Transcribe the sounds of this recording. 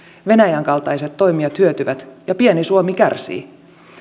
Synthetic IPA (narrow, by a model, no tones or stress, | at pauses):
ʋe̞næjæŋkɑlt̪ɑjset̪ːo̞jmiɑt̪hyøt̪yʋæt̪jɑpienisuomikærsḭː